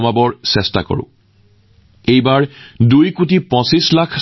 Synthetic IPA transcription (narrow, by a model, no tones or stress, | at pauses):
mabɔɹsɛsta̰kɔ̰ɹʊ̰̃ | ejbaɹdujkutipɔ̃sislakʰ